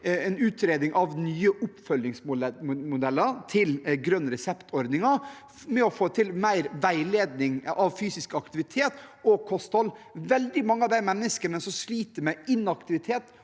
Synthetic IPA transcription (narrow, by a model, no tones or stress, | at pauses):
ɛnʉːt̪ɾeːd̪nɪŋʔɑʋnyːəʔʊpfœljɪŋsmʊmʊd̪ɛlːət̪ʰɪlɡɾœnːɾɛsɛpt̪ʰɔɾd̪nɪŋɑ | mɛɔfoːt̪ʰɪlmæɪɾʋæɪleːd̪nɪŋʔɑʋfyːsɪskɑkt̪ɪʋɪt̪ʰeːt̪ɔkʰɔst̪hɔlʋɛld̪ɪmɑŋːəɑʋd̪æɪmɛnːəskənəsɔmsliːt̪əɾmɛɪnɑkt̪ɪʋɪt̪ʰeːt̪